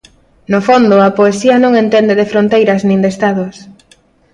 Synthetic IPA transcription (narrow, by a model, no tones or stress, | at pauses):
nofond̪ʊɐpoesiɐnõŋent̪end̪eðefɾont̪ejɾɐznĩŋd̪est̪aðʊs